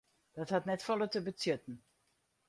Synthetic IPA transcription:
d̥ɔthatnɛtfɔlətəbət͡sjøtn̩

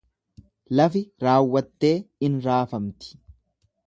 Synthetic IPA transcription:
lɐfɪɾaːwːɐt̪ːe̞ːɪnɾaːfɐmt̪ɪ̥

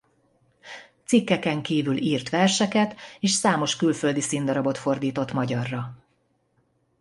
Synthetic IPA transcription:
t̪sikːɛkɛŋkiːvyliːrt̪ʋɛrʃɛkɛt̪eːʃsaːmo̞ʃkylfø̞ld̪isind̪ɒɾɒbo̞t̪fo̞rd̪iːt̪o̞t̪mɒɟɒrːɒ

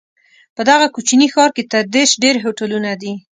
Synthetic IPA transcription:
pəd̪aɣakut͡ʃinixɑɾket̪aɾd̪eʃɖeɾɦoʈalunad̪i

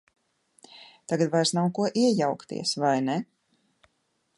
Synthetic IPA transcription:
t̪aɡat̪vajɾsnawkuɔʔiɛjawkt̪ḭɛsvajnɛ

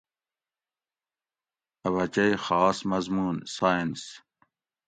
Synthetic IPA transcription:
ɐβɐt͡ɕɐjxɑːsmɐzmuːnsaːjins

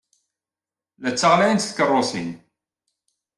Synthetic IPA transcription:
læt͡sːəʁlæjnt̪θkːərˤːosḭn

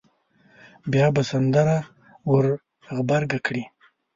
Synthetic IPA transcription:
bjɑbasand̪aɾa | wʊɾ | ɣbaɾɡakɽi

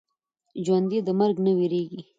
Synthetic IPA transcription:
d͡ʒwand̪id̪əmaɾɡnawiɾeɡi

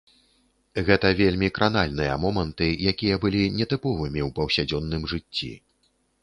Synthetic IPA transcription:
ɣɛt̪ɐvʲelʲmʲikɾʔanalʲnɨjɐ̰mɔmɐnt̪ɨjakʲijɐbɨlʲinʲɛt̪ɨpɔvɨmʲiwpɐwsʲad͡zʲɔnːɨmʐɨt͡sʲːḭ

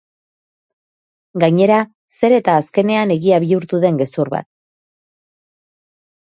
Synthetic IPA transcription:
ɡaɲe̞ɾa | se̞ɾe̞t̪aːske̞ne̞ane̞ɣiaβiuɾt̪uðe̞ŋɡe̞suɾβa̰t̪̚

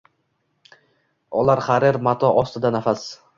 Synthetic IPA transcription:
ɒlaɾχaɾeɾmat̪ʰɒʔɒst̪ɪd̪anafas

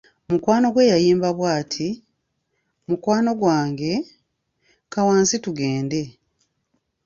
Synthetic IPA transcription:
mukwaːno̞ɡwe̞ːjajiːmbaβwaːtʰi | mukwaːno̞ɡwaːŋɡe̞ | kawaːnsituɡeːnde̞

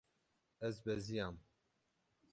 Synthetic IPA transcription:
ɛzbɛzijaːm

